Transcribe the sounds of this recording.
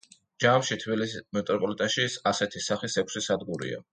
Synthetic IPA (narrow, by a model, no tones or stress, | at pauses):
d͡ʒamʃit̪ʰbilismɛt̪ʼɾɔpʼɔlit̪ʼaʃisasɛt̪ʰisaχisɛkʰʷsisad̪ɡuɾḭa̰